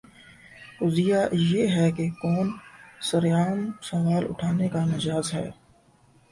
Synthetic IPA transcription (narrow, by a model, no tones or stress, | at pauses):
ʊzijajeːɦɛkekɔːnsɐɾjaːmsɐmaːlʊ̰ʈʰaːnekanɐd͡ʒaːzɦɛ̰ː